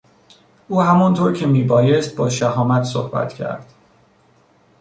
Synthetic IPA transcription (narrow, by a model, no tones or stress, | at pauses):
ʔuːhæmɒnt̪ʰoːɾcʰe̞miːbɒːjest̪̚bɒːʃæɦɒːmæt̪ʰso̰hbæ̰t̪ʰcʰæ̰ɾd̪̥